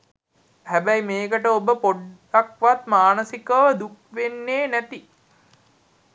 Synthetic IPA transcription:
hæbæjmeːkəʈəobəpoɖ | akʋat̪maːnəsikəʋəd̪uk̚ʋenːeːnæt̪i

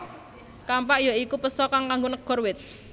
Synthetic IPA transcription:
kampaʔjɔikupəsɔkaŋkaŋɡonəɡ̥ɔ̤rwɪt̪̚

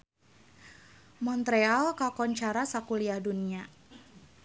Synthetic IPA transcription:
mɔnt̪ɾealkakɔɲt͡ʃaɾasakuliahdunia

